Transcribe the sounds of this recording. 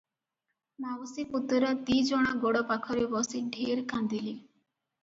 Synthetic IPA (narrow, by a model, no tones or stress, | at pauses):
mawɔsiput̪ːɾat̪id͡ʒɔɽ̃aɡɔɽɔpakʰɔɾebɔsiɖʱeɾkand̪ili